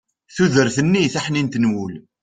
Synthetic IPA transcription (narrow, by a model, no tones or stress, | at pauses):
θuðəɾθənːiθaħnint̪nwʊl